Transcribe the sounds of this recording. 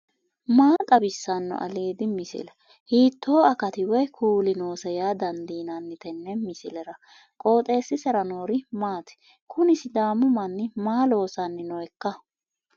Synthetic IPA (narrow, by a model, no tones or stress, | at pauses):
maːt̪ʼɐbɪsːɐnːɔ̰ʔɐ̰liːd̪ɪmɪsɪ̰lɛ | hiːt̪ːo̞ːɐkɐt̪ɪwɛjkʰuːlɪnoːsɛjaːd̪ɐnd̪iːnanːɪt̪ɛnːɛmɪsɪlɛɾɐ | kʼo̞ːt̪ʼe̞ːsːɪsɛɾɐno̞ːɾɪmaːt̪ɛ̥ | kʰʊnɪsɪd̪aːmʊmɐnːɪmaːlo̞ːsɐnːɪnɔɛkːɐ